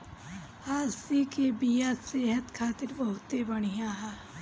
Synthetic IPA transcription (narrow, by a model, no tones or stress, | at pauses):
aːsikebijaseːɦət̪kʰaːt̪ɪɾbɐɦʊt̪ebɐɽ̃ijaːɦɛː